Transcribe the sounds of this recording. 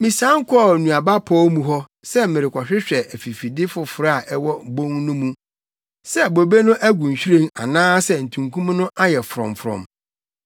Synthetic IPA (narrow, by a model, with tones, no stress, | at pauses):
mĩ˨sã˦ŋ̩˦kʰɔ˦˨nũ˨a˨ba˦pʰɔ˦mũ˨ɦɔ˦ | sɛ˦mɪ̃˨ɾɪ˨kʷʰɔ˨ɕᶣɪ˦ɕᶣɛ˨ʔæ˨fi˨fi˨dɪ˦fʊ˨fʊ˨ɾa˨ʔɛ˦wɔ˦bõ˦ŋnʊ̃˦mũ˦ | sɛ˦bo˨be˦nʊ̃˦ʔæ˦ɡũ˨n̩˨ɕᶣi˦ɾẽ˦ŋa˨nãː˦sɛ˦˨n̩˨tʰũ˨ŋkʰũ˦m˦nʊ̃˦ʔa˦jɛ˨fʊ˨ɾɔ̰̃˨m˨fɾɔ̰̃˨m